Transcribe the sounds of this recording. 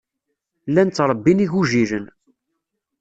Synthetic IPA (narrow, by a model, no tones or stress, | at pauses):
lːænt͡sːɾˤəbːiniʝuʒiɾən